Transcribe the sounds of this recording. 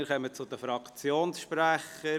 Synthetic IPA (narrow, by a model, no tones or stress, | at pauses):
ɪɾχœmət͡sʊd̪əfɾɑkt͡sjoːnsʃpɾæχə